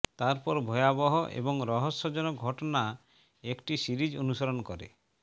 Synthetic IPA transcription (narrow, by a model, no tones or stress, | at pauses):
t̪aɾpɔɾbʱɔjabɔɦɔʔḛbɔŋɾɔɦɔsːɔd͡ʒɔnɔɡʱɔʈɔna | ekʈisiɾid͡ʒonusɔɾɔnɔkɔɾḛ